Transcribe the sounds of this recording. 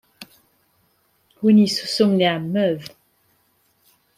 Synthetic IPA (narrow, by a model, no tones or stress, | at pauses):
wunisusomneamœv